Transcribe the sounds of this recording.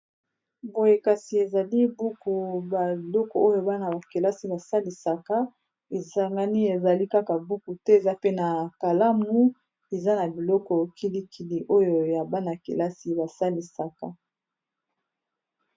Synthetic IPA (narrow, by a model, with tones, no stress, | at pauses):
bo˨je˨ka˨si˨e˨za˨li˦bu˦ku˨ba˨bi˨lɔ˦kɔ˨o˦jo˨ba˦na˨ba˨ke˨la˦si˨ba˨sa˦li˨sa˨ka˦ | e˨sa˨ŋɡa˦ni˦e˨za˨li˦ka˦ka˨bu˦ku˨tɛ˦e˨za˦pe˦na˨ka˨la˦mu˦ | e˨za˦na˨bi˨lɔ˦kɔ˨kʰi˦li˦kʰi˨li˨ʔo˦jo˨ja˨ba˦na˨kḛ˨la˦si˦ba˨sa˦li˨sa˦ka˦